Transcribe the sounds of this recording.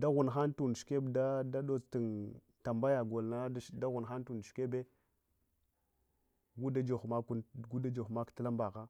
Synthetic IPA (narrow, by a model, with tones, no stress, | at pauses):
da˦ɣu˨nxa˦n˦tu˨n˨ʃke˦bda˦da˦ɗo˦ti˨n | ta˨mba˦ja˨ɡo˨lna˦da˦ɣu˨n˨xa˦n˦tu˨n˨ʃke˦be˦ | ɡu˦da˦d͡ʒo˨xma˦ku˦ɡu˦da˦d͡ʒo˨xma˦ktə˦la˦mba˨ɣa˦